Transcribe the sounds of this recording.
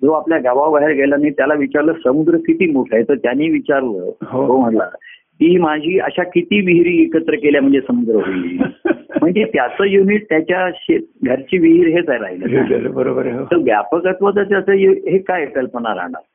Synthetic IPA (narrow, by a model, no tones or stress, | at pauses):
d͡zoapljaɡaʋawbaɦeɾɡʱelənait̪jalaʋit͡ɕaɾləːsəmud̪ɾəkit̪iːmoʈʰajt̪əɾt̪janiːʋit͡ɕaɾlə̰ːɦoom̤əʈla̰ | t̪iːmad͡ʑʱiːə̰ɕakit̪iːʋiɦɾiːekət̪ɾəkeljam̤əɳd͡zesəmud̪ɾəɦoilḭm̤əɳd͡zet̪jat͡səːjuniʈ̚t̪jat͡ɕjaɕeɡʱəɾt͡ɕiːʋiɦiɾɦet͡sajɾa̰ɦilə̰ɦobəɾobəɾɦot̪əʋja̰pəkət̪ʋət̪at͡ɕjat͡səjeɦekajepelpəɳaɾa̰ɳa̰ɾ